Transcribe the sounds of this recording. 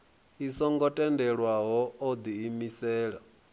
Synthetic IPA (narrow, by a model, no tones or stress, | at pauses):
isɔŋɡɔtʼɛndɛɺwaɦɔːd̪iːmisɛːɺa